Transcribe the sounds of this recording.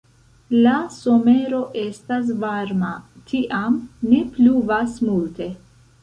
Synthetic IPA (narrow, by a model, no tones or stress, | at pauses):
laso̞me̞ɾo̞ʔe̞stas̬vaɾmatʰiʔamnepluvasmulte̞